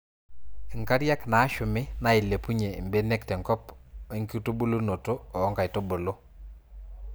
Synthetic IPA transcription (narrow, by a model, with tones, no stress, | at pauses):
ɪ˨ŋka˦ɾja˦knaː˨˦ʃʊ˨mɪ˦na˦ɪ˨le˨pu˦ɲe˨mbe˦ne˦ktɛ˨ŋkɔ˦pe˦ŋki˦u˦to˦bo˦lo˦no˨to˦ɔː˨˦ŋka˨ɪ˨to˦bo˨lo˦